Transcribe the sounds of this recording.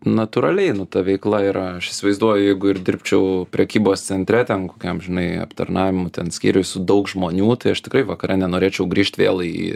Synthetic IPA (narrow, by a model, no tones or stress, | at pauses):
nɐt̪ʊːɾɐlʲɛɪnʊt̪ɐʋʲɛɪklˠɐiɾɐɐʃɪsʲɪʋɐɪzd̪uɔjʊjɛɪɡʊɪɾd̪ʲɪɾʲpʲt͡ʃʲɛʊpʲɾʲɛkʲiːboːst̪sʲɛnʲt̪ʲɾʲɛt̪ʲɛnkoːkʲɛmʒʲɪnɐɪɐ̰pt̪ɐ̰rnɑːʋʲɪmʊt̪ʲɛnsʲkʲḭːɾʲʊsʊd̪ɐʊkʒmoːnʲuːt̪ɐɪɐʃt̪ʲɪkɾɐɪʋɐkɐɾʲɛnʲɛnoːɾʲeːt͡ʃʲɛʊɡɾʲiːʃʲt̪ʲʋʲeːlˠḭ